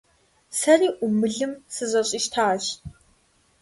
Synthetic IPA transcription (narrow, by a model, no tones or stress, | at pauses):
sɐriːʔʊmɨɮɨmsɨzɐɕʼiʃtʰaːɕ